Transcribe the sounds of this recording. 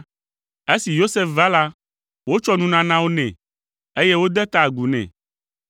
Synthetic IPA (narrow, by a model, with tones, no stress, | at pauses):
e˦si˨jo˦se˦fva˦la˦ | wo˦t͡ʃɔ˦nũ˦nã˨nã˦wo˦nɛ̰̃˨ | e˦jɛ˦wo˦d̪ɛ˦t̪a˨ɡu˨nɛ̰̃˨